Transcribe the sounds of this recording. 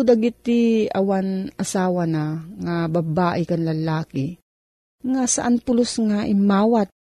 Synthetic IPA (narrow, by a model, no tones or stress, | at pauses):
d̪aɡit̪ːiɐ̰wanʔasaːwanaŋababaːʔɪkanlɐlaːkɪ | ŋasaʔanpʊlʊsŋaʔɪmːaːwat̪̚